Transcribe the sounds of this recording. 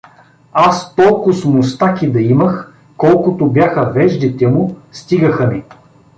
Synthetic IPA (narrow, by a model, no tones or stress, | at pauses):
ast̪ɔlˠkʊsmʊst̪akʲid̪ɐimɐx | kɔlˠkʊt̪ʊbʲjaxɐvɛʒd̪it̪ɛmʊst̪iɡəxɐnɛ